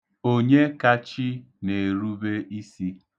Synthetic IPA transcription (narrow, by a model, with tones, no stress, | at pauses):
o˦ɲe˦ka˦t͡ʃi˦ | ne˨ɾu˦be˦i˦si˦